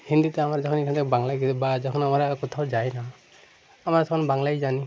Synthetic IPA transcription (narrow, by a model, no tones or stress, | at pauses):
hind̪itɛamaɹzɔkʰɔnikʰantɛbaŋlajɡisɛbazakʰɔnamaɹkɔt̪ʰazajna | amaɹtɔkʰɔnbaŋlajzani